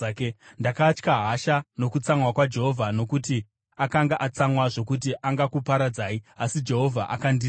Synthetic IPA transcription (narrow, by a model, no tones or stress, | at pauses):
kndakat͡ʃkaɦaʃano̞kut͡samwakwad͡ʒe̞ɦo̞vʱano̞kuti | akaŋɡaʔat͡samwaʐo̞kut̬iʔaŋɡakupaɾad͡zaːiasid͡ʒe̞ɦo̞vʱaʔa̰kandi